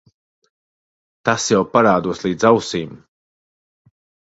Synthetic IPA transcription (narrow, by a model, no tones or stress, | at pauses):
t̪asjawpaɾaːd̪uɔslˠiːd̪zawsiːm